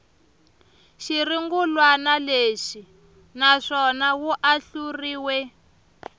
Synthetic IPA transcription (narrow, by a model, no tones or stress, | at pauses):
ʃiriŋɡulwanaleʂi | naʂɔnawuʔaɬuriːwɛ